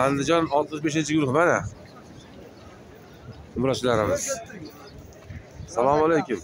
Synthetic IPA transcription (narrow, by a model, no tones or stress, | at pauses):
and̪ɪd͡ʒɒnɒlˠt̪mɪʃbe̞ʃ̬ɪnt͡ʃʰɪɡʊɾʊhmana | ʊmɾɒt͡ʃʰɪlaɾɪmɪz̥ | salˠɒmalejkʲʊm